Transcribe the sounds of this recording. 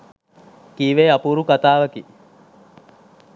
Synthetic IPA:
kiːʋeːɐpuɾukat̪aːʋɐki

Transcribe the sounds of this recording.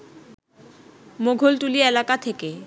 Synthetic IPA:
moɡʱolʈulielakat̪ʰeke

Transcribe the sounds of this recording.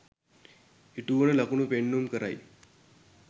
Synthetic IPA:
iʈunəlakuɳupeɳːumkəɾa̰j

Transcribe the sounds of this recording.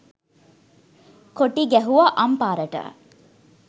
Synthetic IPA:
koʈiɡɛɦuʋɐʔɐmpaːɾɐʈə̰

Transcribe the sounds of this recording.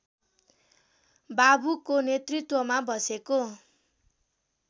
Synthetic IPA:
babukonet̪rit̪wʌmabʌseko

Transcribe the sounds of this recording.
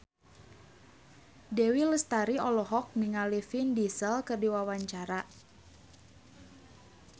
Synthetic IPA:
dɛwiləst̪aɾiɔlɔɦɔk̚niŋalifindisəlkərdiwawaɲt͡ʃaɾa

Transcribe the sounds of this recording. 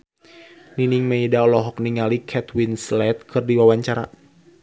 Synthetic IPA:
niniŋmeidaɔlɔɦɔk̚niŋalikʰɛt̪winslɛt̪̚kʰɨrdiwawaɲt͡ʃaɾa̰

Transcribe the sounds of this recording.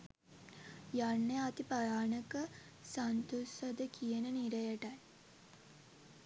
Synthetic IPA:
janːeat̪ipajaːnəkə | sant̪osəd̪əkʰijənəniɾəjəʈaj

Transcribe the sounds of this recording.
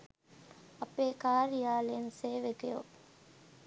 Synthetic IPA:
ɐpeːkaːɾijaːlenseːʋekejo̰

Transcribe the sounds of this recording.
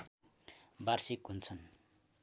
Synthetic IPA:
barsikɦunt͡sʰʌn

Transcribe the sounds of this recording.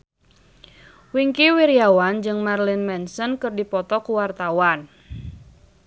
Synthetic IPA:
wiŋkiwiɾjawand͡ʒɨŋmarlinmɛnsɔnkɨrdipɔt̪ɔkuwart̪awan

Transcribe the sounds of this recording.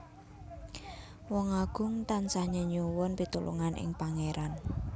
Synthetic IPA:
wɔŋaɡ̥ʊ̤ŋt̪ansahɲəɲuwʊnpit̪ulʔṵŋanʔɪ̰ŋpaŋeɾan

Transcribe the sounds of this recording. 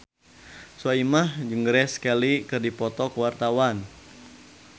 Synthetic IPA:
suaimahd͡ʒəŋɡɾɛskɛlikɨrdipɔt̪ɔkəwart̪awan

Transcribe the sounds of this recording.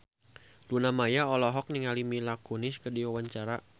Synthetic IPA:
lunamajaɔlɔɦɔk̚niŋalimilakunɪskərdiwawaɲt͡ʃaɾa

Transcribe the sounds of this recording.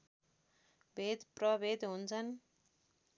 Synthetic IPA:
bʱed̪prʌbʱed̪ɦunt͡sʰʌn

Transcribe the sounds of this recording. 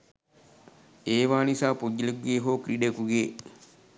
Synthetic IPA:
eːʋaːnisaːpoɟːilekuɡeːɦoːkɾiɖekuɡeː

